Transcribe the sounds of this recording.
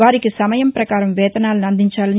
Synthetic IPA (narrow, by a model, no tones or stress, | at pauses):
aːɾikisɐmɐjɐmpɾɐkaːɾɐmʋɛːd̪ɐnaːlɐnuɐnd̪ʱiɲt͡ʃaːlɐn